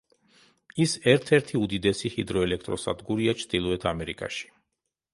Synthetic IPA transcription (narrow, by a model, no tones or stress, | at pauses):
isɛɾt̪ʰɛɾt̪ʰiud̪id̪ɛsihid̪ɾɔɛlɛk̚ʰt̪ʼɾɔsa̰d̪ɡuɾiat͡ʃʰɾd̪ilˠɔɛt̪ʰamɛɾikʼa̰ʃi̥